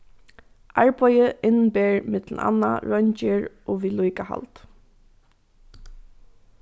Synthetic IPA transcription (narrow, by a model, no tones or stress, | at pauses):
ʔaɹpʰɔjəʔɪnbeːɹmɪt̪l̩na̰nːa̰ɹɔɲt͡ʃɪɹ | oʋiːlujkaha̰lt̪